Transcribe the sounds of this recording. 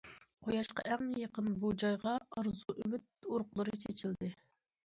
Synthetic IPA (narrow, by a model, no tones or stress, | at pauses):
qʰojɑʃqɑ̰ʔɛŋjəqənbud͡ʒɑjʁɑɑɾzuʔymyt̪̚oɾqlˠɨɾɨt͡ʃʰet͡ʃʰild̪ɪ